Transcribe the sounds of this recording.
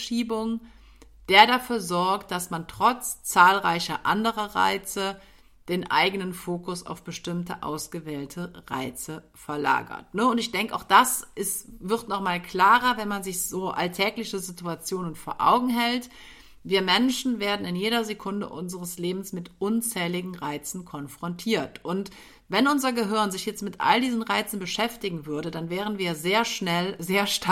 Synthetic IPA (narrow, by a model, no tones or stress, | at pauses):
ʃiːbʊŋ | d̥eːɐdafyːɐzɔɐkt̚d̥asmantʁ̥ɔt͡st͡saːlʁaɪçɐʔa̰ndəʁɐʁa̰ɪt͡sə | d̥eːnʔa̰ɪɡənənfoːkʊsa̰ʊfb̥əʃtɪmtəʔa̰ʊsɡ̥əvɛːltʰəʁa̰ɪt͡sə | fɛɐla̰ːɡɐ̰tnəʊntɪçd̥ɛŋkəʔaʊxd̥asʔɪstvɪʁtnɔχmaːlkʰl̥aːʁɐvɛnmanzɪçz̥oːʔa̰ltʰɛːklɪçəzɪtuat͡sjoːnənfoːɐʔa̰ʊɡŋ̩ɦɛlt | viːɐmɛnʃn̩veːɐdn̩ɪnjeːɾɐzekʰʊndə̰ʔʊnzəʁəsleːbm̩smɪtʔʊnt͡sɛːlɪɡŋ̩ʁaɪt͡sn̩kʰɔnfʁ̥ɔntʰiːɐtʔʊnt | vɛnʊnzɐɡəɦɪɐnzɪçjɛt͡stmɪtʔa̰ldiːzn̩ʁaɪt͡sn̩bəʃɛftɪɡŋ̩vʏɐdədanvɛːʁ̞ənviːɐzeːɐʃnɛlzeːɐʃt